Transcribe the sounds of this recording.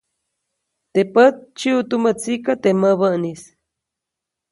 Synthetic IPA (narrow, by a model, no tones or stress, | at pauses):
t̪epət̪̚t͡ʃiut̪umət͡sikat̪eməβəʔnis